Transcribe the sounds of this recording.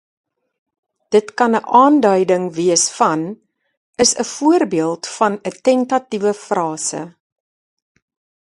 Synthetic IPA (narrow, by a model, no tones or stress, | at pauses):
d̥ətkɐnəʔɑːndœɥdəŋviəsfɐn | əsəfuərbiəlˠtfɐnətɛntɐtivəfrɑːsə̰